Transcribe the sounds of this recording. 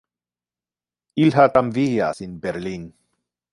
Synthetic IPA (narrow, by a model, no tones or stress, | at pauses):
ʔilɦat̪amvijasinbɛɾlin